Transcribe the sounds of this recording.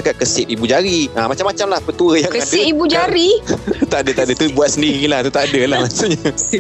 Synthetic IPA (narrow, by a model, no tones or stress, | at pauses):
akaʔ̪̚kəsɪt̪̚ibud͡ʒaɾiamat͡ʃamːat͡ʃamlahpət̪uəjaŋkəasdɪibud͡ʒaɾiut̪aʔadət̪aʔadət̪ubuat̪̚səndiɣilaht̪ut̪aʔadəlahmasuʔɲa